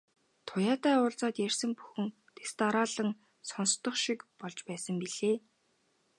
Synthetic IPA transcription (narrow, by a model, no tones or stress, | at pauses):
t̪ʰʊjaːt̪aːʊːɮt͡saːt̪jærsə̆mpu̥xɘ̆n | t̪est̪aɾaːɮə̆ŋ | sɔnst̪ɞ̆χʃikpɔɮt͡ɕpæːsə̆mpiɮ̥eː